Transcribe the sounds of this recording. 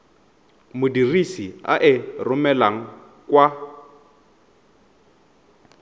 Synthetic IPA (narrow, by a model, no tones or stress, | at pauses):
mʊdirisia̰ʔɪrʊmɛlaŋ̩ | kwa